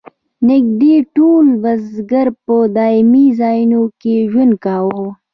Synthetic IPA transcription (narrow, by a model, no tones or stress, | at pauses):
nɪɡ̚d̪eʈulwɐzɡəɾpəd̪aːɪmizaːjnokeʒwʊn̚kawo